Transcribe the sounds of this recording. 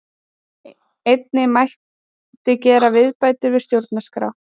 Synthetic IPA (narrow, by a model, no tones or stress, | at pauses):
ejt̪nɪmajh | t̪ɪcɛːɾavɪðpaːjt̪ʏɾvɪ̥st̪jowɾt̪naskɾa̰w